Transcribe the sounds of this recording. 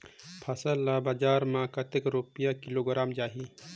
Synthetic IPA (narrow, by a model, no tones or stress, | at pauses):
pʰɐsəlːabad͡ʒaːɾmãkɐt̪ekɾuːpijakɪloːɡɾaːmd͡ʒaːɦi